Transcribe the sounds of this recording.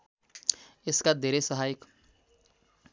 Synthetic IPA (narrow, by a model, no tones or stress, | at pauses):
eskad̪ʱeɾesəɦaik